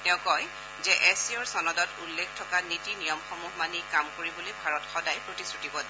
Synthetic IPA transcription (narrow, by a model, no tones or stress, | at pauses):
tɛʊ̃kɔj | zɛʔɛsiɔɹsɔnɔdɔtulːekʰtʰɔkanitinijɔmxɔmuɦmanikamkoɹibolojbʱaɹɔtxɔdajpɹotisɹutibɔd